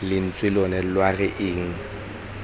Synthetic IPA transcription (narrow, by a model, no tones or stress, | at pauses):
lɪn̩t͡sʼwɪlɔnɛlwaɣɛʔɪːŋ̩